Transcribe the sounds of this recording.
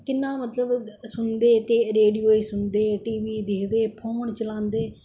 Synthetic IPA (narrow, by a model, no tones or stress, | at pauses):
kɪnãːmət̪ləbsʊnd̪eːʈeːɾeːɖijoːiːsʊnd̪eːʈiːʋiːd̪eːkʰd̪eːpʰoːɳt͡ʃəlãːnd̪eː